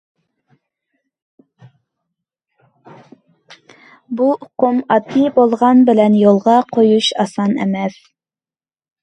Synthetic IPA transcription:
buʊqumɑt̪ʰibolˠʁɑnbɪlɛnjolˠʁɑqʰojuʃɑsɑnḛmɛθ

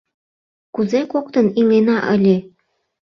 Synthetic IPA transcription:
kuzekok̚t̪ə̆nilenɑʔə̰lʲe

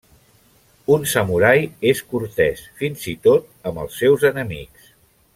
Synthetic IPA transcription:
unsəmuɾajeskuɾt̪ɛsfinzit̪ot̪̚əmbə̰lˠsːɛwzənəmḭks

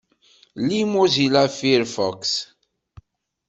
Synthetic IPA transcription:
limozilafiɾfɔks

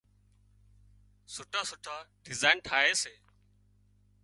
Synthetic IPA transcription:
sʊʈʰaːsʊʈʰaːɖɪzaːnʈʰaːɦeːseː

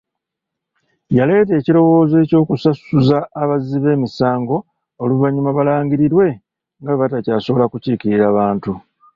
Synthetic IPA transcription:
jale̞ːt̬e̞ːcilo̞wo̞ːze̞ːco̞ːkusasuzaːβaziβe̞ːmisaːŋɡo̞ː | luβaɲːumaβalaːɲɟiɾiɾwe̞ | ŋɡaβatacaːso̞βo̞lakuciːkiɾiɾaːβaːntu

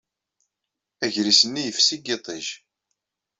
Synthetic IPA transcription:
æʝɾisənːijəfsiɡet̪ˤiʒ

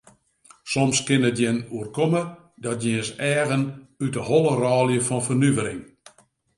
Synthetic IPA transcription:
somskɪnətjɪnuərkomə | dɔt̚jɛəsɛːɣənytəholˠərɔːlˠjəfɔnfərnyvəɾɪŋ

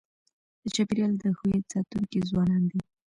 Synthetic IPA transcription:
d̪̥ət͡ʃapɾjɑld̪əxuet͡sɑt̪uŋkizwɑnɑnd̪i

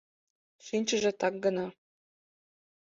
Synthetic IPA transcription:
ʃinʲt͡ɕə̆ʒĕt̪ɑk̚ɡɤ̆nɑ

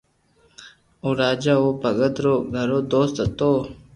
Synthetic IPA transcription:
uɾaːd͡ʑaopəɡəd̪ɾoɡʱɐɾod̪oːst̪ət̪o

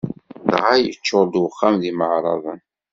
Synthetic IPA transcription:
ðʁajət͡ʃːoɾd̪wəχːamðiməʕɾˤɑ̰ðˤən

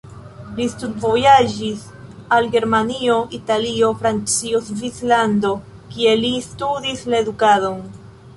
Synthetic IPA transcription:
listudvo̞jad͡ʒis | alɡe̞ɾmanio̞ʔitalio̞fɾant͡sio̞svit͡slando̞ | kie̞listudislae̞dukado̞n

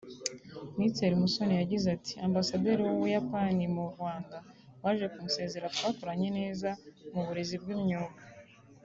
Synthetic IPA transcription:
nit͡seɾimuso̞nijaɟizatʰi̥aːmbasade̞ːɾiwowujapanimuɾɡwaːŋɡa | waːʒe̞kumuse̞ːze̞ɾatwaːkoɾaɲe̞ne̞ːzamuβuɾe̞zib̚ɡimɲoːβa

